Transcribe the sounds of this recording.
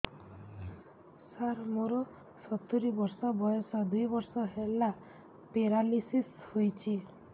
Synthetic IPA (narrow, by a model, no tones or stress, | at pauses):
saɾmoɾɔ | sɔt̪uɾibɔɾsɔbɔjɔsad̪ujbɔɾsɔɦela | peɾalisishojt͡ʃʰi